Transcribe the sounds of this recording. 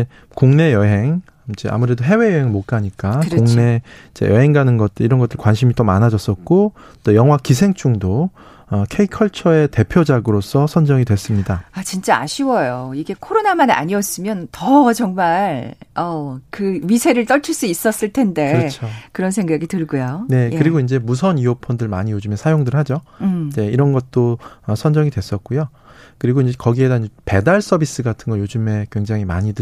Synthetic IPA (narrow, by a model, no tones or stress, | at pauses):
e | kuŋne̞jʌɦeŋ | id͡ʑḛʔa̰muɾe̞doɦe̞we̞jʌɦeŋmok͈aɲik͈akuŋne̞id͡ʑḛjʌɦe̞ŋɡanɯnɡʌt̚t͈ɯiɾʌnɡʌt͈ːɯɭkwanɕʰimit͈omanad͡ʑʌs͈ʌt̚k͈ot͈ojʌŋɦwakis̬ʰe̞ŋt͡ɕ͈uŋdo | ʌkʰeikʰʌɭt͡ɕʰʌe̞te̞pʰjod͡ʑaɡɯɾos͈ʰʌsʰʌnd͡ʑʌŋidwe̞s͈ɯmɲidaat͡ɕint͡ɕ͈aa̰ɕʰiwʌjoiɡe̞kʰoɾonamana̰ɲiʌs͈ɯmjʌntʌt͡ɕʌŋmaɭʌkɯɥisʰe̞ɾɯɭt͈ʌɭt͡ɕʰɯɭs͈uis͈ʌs͈ɯɭtʰe̞nde̞ɯɾʌt͡ɕʰokɯɾʌnsʰe̞ŋɡaɡitɯɭɡujone̞kɯɾiɡoind͡ʑe̞mus̬ʰʌniopʰʌndɯɭmaɲijod͡ʑɯme̞sʰajoŋdɯɭhad͡ʑod͡ʑe̞iɾʌnɡʌt̚t͈oʌsʰʌnd͡ʑʌŋidwe̞s͈ʌt̚k͈ujo | kɯɾiɡoind͡ʑekʌɡie̞daid͡ʑepe̞daɭs͈ʌbis͈ɯɡatʰɯnɡʌjod͡ʑɯme̞kwe̞ŋd͡ʑaŋima̰ɲidɯ